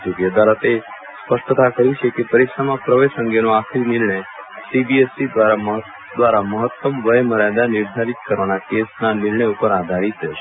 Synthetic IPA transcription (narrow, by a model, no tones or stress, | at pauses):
d͡ʒoɡjəd̪alət̪e | spəʃʈt̪akəɾit͡ʃʰekepəɾikʃamãpɾəʋeʃə̃ŋɡenoakʰɾinɪɾɳəj | sibiesid̪ʋaɾaməɦ | d̪ʋaɾaməɦət̪ːəmʋəjməɾad̪anɪɾd̪ʱaɾit̪kəɾʋanakesnanɪɾɳəjupəɾad̪ʱaɾit̪ɦeʃe